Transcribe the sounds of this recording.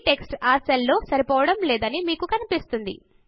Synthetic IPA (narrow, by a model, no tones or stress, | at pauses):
ʈe̞ksʈaːɾsɐlːo̞ːsɐɾipɔːʋɐɽɐmlɛːd̪ɐnimiːkukɐnipist̪und̪ḭ